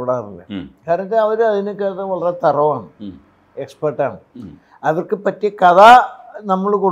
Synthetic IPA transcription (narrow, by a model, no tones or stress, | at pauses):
ɽaːrilːɐ̰kaːɾɐnɐt̪ːeɐʋɐɾuɐðinɨkeːɐʋɐɭɐret̪ɐrɐʋaːɳɨ | ekspɐrʈːaːɳɨ | ɐʋɐrkɨpɐtːiekɐðanɐmːɐɭkoɽ